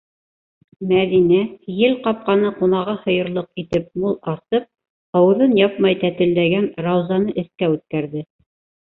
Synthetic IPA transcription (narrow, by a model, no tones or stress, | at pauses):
mæðinæjɘlqɑp̚qɑnɤqunɑʁɤhɤ̆jɤ̆ɾlˠɤqit̪ɘp̚mulˠɑt̪ɤp̚ | ɑwɤ̆ðɤnjɑpmɑjt̪æt̪ɘ̆ld̪æɡænɾɑwzɑnɤʔɘ̆θkæʉt̪̚kæɾðɘ